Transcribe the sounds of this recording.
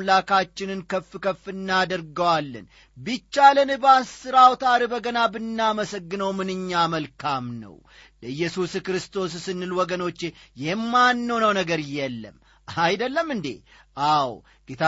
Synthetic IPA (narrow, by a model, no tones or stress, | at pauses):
mlakat͡ʃːɪnɨnkʰəfːɨkəfːɨnːad̪əɾɡəwalːɨ̰n | bɨt͡ʃːalənɨbasɨɾawt̪ʰaɾibəɡənabɨnːaməsəɡːɨnəwmɨnɨɲːaməlkʰamnə̰w | ləɨjːɛsuskɾɨst̪ʰo̞s̬sɨnːɨlwɔɡəno̞t͡ʃːejɛmːanːəwnəwnəɡəɾɨjɛlːə̰m | ajd̪əlːəmːɨnd̪ḛ | ʔaw | ɡ̥et̪ʰa